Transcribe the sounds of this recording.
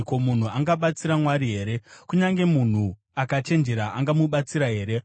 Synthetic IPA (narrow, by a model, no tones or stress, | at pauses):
komun̤uaŋɡaɓat͡siɾamwaɾiɦe̞ːɾe̞kuɲaŋɡe̞mun̤u | akat͡ʃe̞nd͡ʒe̞ɾaaŋɡamuɓat͡siɾaɦe̞ːɾe̞